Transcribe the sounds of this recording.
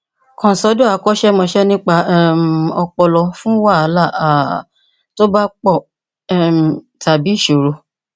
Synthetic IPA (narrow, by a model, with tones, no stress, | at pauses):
kɔ̃˨sɔ˨˦do˦a˨˦kɔ˦ʃɛ˦mɔ̃˧ʃɛ˦nĩ˦k͡pa˧˦˨m˨ɔ˧k͡pɔ˧lɔ˧fũ˦wa˦˨a˨˦la˦˨a˨ | to˦ba˦k͡pɔ˦˨ | ɛ˨ | ta˨bi˨˦i˦˨ʃo˨ɾo˧